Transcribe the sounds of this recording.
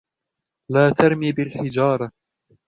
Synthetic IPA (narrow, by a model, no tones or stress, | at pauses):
laːt̪ɑɾˤmiːbɪlħɪd͡ʒɑːɾˤɑ